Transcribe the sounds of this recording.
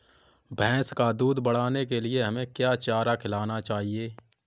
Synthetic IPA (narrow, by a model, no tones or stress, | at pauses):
bʱɛ̃ːskad̪uːd̪bəɽ̤aːnekelɪeɦɐmẽkjaːt͡ʃaːɾakʰɪlaːnat͡ʃaːɦieː